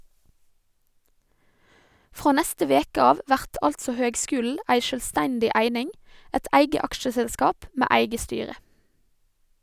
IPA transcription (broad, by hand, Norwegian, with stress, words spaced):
ˈfʁoː ˈnɛstə ˈʋeːkə ˈɑːʋ ˈʋæʁt ˈɑltsɔ ˈhøːɡˌskʉːl̩ə ˈæɪ ˈʃøːlˌstɛndɪ ˈʔæɪnɪŋ ˈæɪt ˈæɪɡə ˈɑkʃəsɛlˌskɑːp ˈmeː ˈæɪɡə ˈstyːɾə